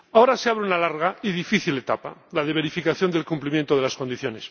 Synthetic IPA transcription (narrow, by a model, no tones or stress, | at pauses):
aoɾaseaβɾeunalaɾɣ̞aiðifiθilet̪apalaðeβe̞ɾifikaθjo̞nd̪elkumplimjent̪oðelasko̞nd̪iθjo̞nes